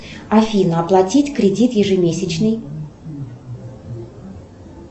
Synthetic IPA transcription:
ɐfʲinəɐplˠɐtʲitʲkɾʲɪdʲit̪jɪʐɨmʲesʲɪt͡ɕnɨj

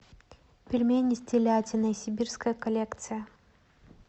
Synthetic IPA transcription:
pʲɪlʲmʲenʲɪsʲtʲelʲatʲɪnɐsʲɪbʲirskəjəkɐlʲekt̪sɨjə

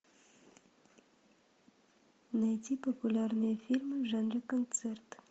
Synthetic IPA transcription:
nɛt̪ʰipɔpulɑɾnɛfilməʒɑnɾəkɔnt͡sʰɛɾt̪

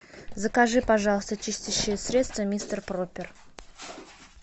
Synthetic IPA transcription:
zəkaʐɨpɐʐɑlˠəst̪ət͡ʃɪsʲt̪ʲiɕːɪjəsʲɾʲe̞t̪st̪vəmʲist̪ərpropʲɪr

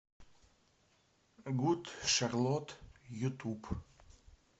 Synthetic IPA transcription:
ɡut̪ʃaʁlɔt̪jut̪ʰup

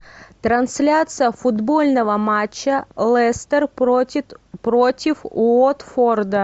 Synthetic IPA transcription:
t̪ɾɐnsʲlʲat̪sɨjəfʊd̪bo̞lʲnəvəmat͡ɕːəlˠɛst̪ər | pɾotʲɪfʊot̪ford̪ə

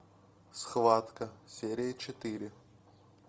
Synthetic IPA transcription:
sxvat̪kəsʲeɾʲɪjət͡ɕɪt̪ɨɾʲɪ

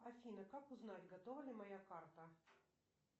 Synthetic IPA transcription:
ɐfʲinɐkakuznalʲɡɐt̪ɔvɐlʲɪmɐjakart̪ɐ

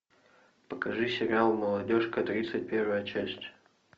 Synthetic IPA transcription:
pəkɐʐɨsʲɪɾʲɪalˠməlˠɐdʲoʂkət̪ɾʲit̪sɨt̚ʲpʲe̞rvəjət͡ɕæsʲtʲ

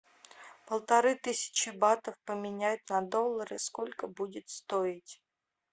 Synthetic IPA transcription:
pəlˠt̪ɐɾɨt̪ɨsʲɪ̥t͡ɕɪbat̪əfpəmʲɪnʲæjʊt̪nɐd̪o̞lˠːəɾɨskolʲkəbudʲɪt̪st̪oɪtʲ

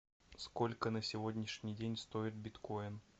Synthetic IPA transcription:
sko̞lʲkənəsʲɪvo̞dʲnʲɪʂnʲɪjdʲenʲst̪o̞ɪt̪̚bʲɪt̪koɪn

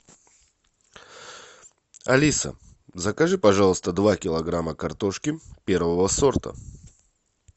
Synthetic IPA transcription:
ɐlʲisə̰ | zəkɐʐɨpɐʐalˠəst̪əd̪vakʲɪlˠɐɡɾaməkɐrt̪o̞ʂkʲɪpʲeɾvəvəso̞rt̪ə̰

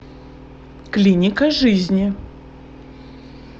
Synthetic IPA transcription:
klʲinʲɪkəʐɨzʲnʲi

